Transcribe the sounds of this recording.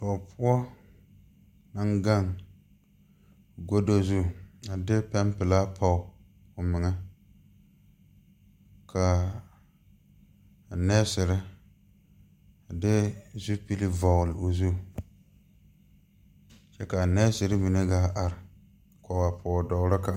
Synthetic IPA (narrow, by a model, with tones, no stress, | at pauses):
tɔ˨pʰʊ˦ɔ˦ | na˦ŋɡa˦ŋ | ɡo˦do˦zu˦˨a˨dɪ˦pɛ˦mpɪ˨la˦pʰa˦ʊ˨ | ʊ˨mɪ˨ŋɛ˦ | kʰa˨ | nɛː˦sɪ˨ɾɪ˦ | a˨dɪ˦zu˦pi˦li˦vɔ˨ɣlɪ˨o˨zu˦˨ | t͡ʃɛ˦ka˨nɛ˦sɪ˨ɾɪ˦mi˨ne˦ɡaː˦ʔa˨ɾɪ˨ | kʷɔ˨wa˨pʰɔ˨dɔ˨ɣɾa˦ka˨